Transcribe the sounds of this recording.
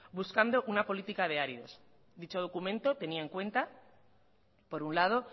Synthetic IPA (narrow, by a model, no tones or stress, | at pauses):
buskand̪o̞ʔunapo̞lit̪ikaðe̞aɾiðo̞̰s | d̪it͡ʃo̞ð̞o̞kumẽ̞nt̪o̞t̪e̞niaeŋkwe̞nt̪a | po̞ɾunlað̞o̞